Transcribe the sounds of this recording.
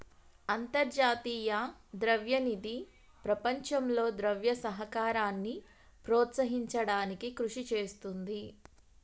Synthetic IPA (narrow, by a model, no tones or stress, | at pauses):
ɐnt̪ɐɾd͡ʒaːt̪iːjɐd̪ɾɐʋjɐnid̪i | pɾɐpɐɲt͡ʃɐmlo̞ːd̪ɾɐʋjɐsɐɦɐkaːɾaːnːi | pɾoːt̪sɐɦiɲt͡ʃɐɽaːnikikɾuʂit͡ʃeːst̪und̪i